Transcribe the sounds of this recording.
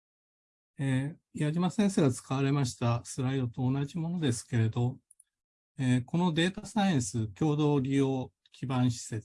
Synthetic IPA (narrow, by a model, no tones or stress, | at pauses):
ejaʑimasẽ̞ɰ̃se̞ːɡat͡sɨ̥kaβ̞aɾe̞maɕi̥t̪asɨɾaid̪o̞t̪o̞ːnaʑimo̞no̞d̪e̞sɨ̥ke̞ɾe̞d̪o̞ | eːko̞no̞d̪e̞ːt̪asaĩɰ̃sɨkʲo̞ːd̪o̞ːɾʲijoː | kʲʰibãɰ̃ɕi̥se